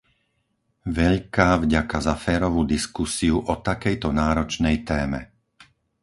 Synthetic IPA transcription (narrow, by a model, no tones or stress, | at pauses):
ʋɛʎkaːvɟakazafɛːɾɔʋud̪iskusiuʔɔt̪akɛjt̪ɔnaːɾɔt͡ʃnɛjt̪ɛːmɛ̰